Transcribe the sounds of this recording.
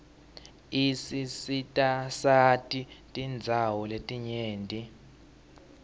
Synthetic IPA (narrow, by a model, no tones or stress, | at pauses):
isisitʼasatʼitʼind͡zʱawɔletʼiɲeːntʼi